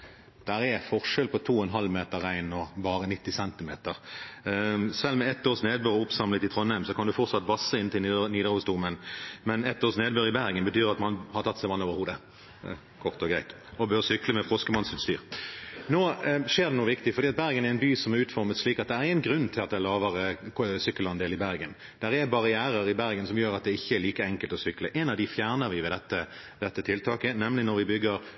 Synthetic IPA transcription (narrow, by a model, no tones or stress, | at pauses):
d̪̥æʁɛfɔʁʂɛlpʰɔt̪ʰuːɛnɦɑlːmeːt̪əʁːæɪnɔbɑːʁənɪt̪ːɪsɛnt̪ɪmḛːt̪əʁ | sɛlmɛɛt̪ːoːʁsneːd̪bøːʁʊpsɑmlət̪ɪt̪ʰʁɔnːæɪmsɔkʰɑnd̪ʉfɔʁt̪sɑt̪ːʋɑsːəɪnt̪ɪlniːd̪əʁhʊsd̪umənmɛnɛt̪ːoːʁsneːd̪bøɾɪbæʁɡənbət̪ʰyːʁɑt̪mɑnhɑʁt̪ʰɑt̪ːsæɪʋɑnːoːʋəɾhuːd̪ə | kʰɔʁt̪ɔɡɾæɪt̪ | ɔbøʁsʏkləmɛfʁɔskəmɑnsɪt̪st̪yːɾnoːʂeːɾd̪ɛnuːəʋɪkt̪ɪfɔɾdiːɑt̪̚bæɾɡənæɾɛɪnbyːsɔmæɾʉːt̪fɔɾmət̪sʂliːkɑt̪̚d̪ɛæɾɪŋːənɡɾʉnːt̪ʰɪlɑt̪̚d̪æɪlɑːʋəɾəsʏkːəlɑɛnd̪eːlɪbæɾɡən | d̪æɾɛbɑʁɪæːɾəɾɪbæɾɡənsɔmjøːɾɑt̪̚d̪ɛɪçːəɛliːkəɛŋkəlt̪ɔsʏkləʔɛnɑʋd̪ɪfjæːʁnəɾʋɪʋɛːd̪ɛt̪ːə | d̪ɛt̪ːət̪ʰɪlt̪ʰɑːkənɛmlɪnɔɾʋɪbʏɡːəɾ